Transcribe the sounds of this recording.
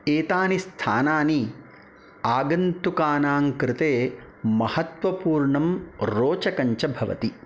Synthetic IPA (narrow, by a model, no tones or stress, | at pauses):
eːt̪aːnist̪ʰaːnaːni | aːɡɐnt̪ukaːnaːŋkɾɪt̪eː | mɐhɐt̪ʋɐpuːɾɳɐmɾoːt͡ʃɐkɐɲt͡ʃɐbʱɐʋɐ̰t̪i